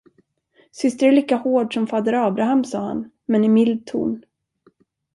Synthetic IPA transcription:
sʏst̪əɾæɭiːkahoːɖʂɔmfad̪əɾɑːbɾaɦamsɑːha̰n | mɛnɪmɪld̪̚t̪ʰṵːn

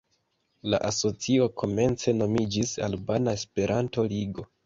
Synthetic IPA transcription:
laʔaso̞t͡sio̞kʰo̞me̞nt͡se̞no̞mid͡ʒisa̰lbanaespe̞ɾanto̞liɡo̞

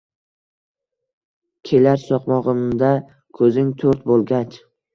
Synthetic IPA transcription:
kʲʰe̞laɾsɒqmɒʁɨmd̪a | kʰɵzɪŋt̪ʰɵɾt̪bolˠɡʲat͡ʃ

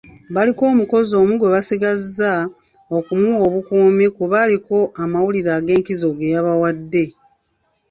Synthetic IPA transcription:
βaliko̞ːmuko̞zo̞ːmuɡwe̞βasiɡazːa | o̞kumuo̞βukuːmikuβaliko̞ʔamawuliɾaːɡe̞ːŋkizo̞ɡe̞jaβawadːe̞

